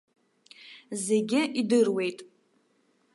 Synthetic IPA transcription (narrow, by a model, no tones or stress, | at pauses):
zeɡʲɪʔidɨrwe̞jtʼ